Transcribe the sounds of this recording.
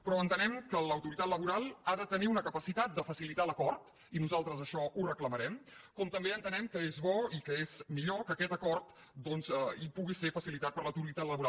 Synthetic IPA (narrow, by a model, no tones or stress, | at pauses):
pɾɔənt̪ənɛmkələwt̪uɾit̪at̪ləβuɾalˠaðət̪əniunəkəpəsit̪at̪̚d̪əfəsilit̪aləkɔrt̪ | inuzalˠt̪ɾəzəʃɔʔurəkləməɾɛmkɔmt̪əmbeənt̪ənɛmkəezβɔikəezmiʎokəkɛt̪əkɔrt̪ | d̪ɔnzipuɣisefəsilit̪at̪̚pəɾləwt̪uɾit̪at̪ləβuɾa